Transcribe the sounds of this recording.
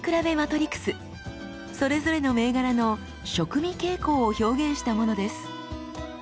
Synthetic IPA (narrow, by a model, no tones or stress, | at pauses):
kɯɾabe̞mat̪o̞ɾʲikːɯ̥sɨ | so̞ɾe̞zo̞ɾe̞no̞me̞ːɡaɾano̞ | ɕo̞kɯ̟mʲike̞ːko̞ːço̞ːɡẽ̞ɰ̃ɕi̥t̪amo̞no̞d̪e̞sɨ̥